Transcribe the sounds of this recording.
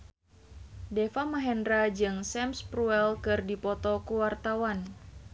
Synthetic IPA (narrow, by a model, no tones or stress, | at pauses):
defamaɦɛndɾad͡ʒɨŋsɛmspɾuɛlkɨrdipɔt̪ɔkuwart̪awan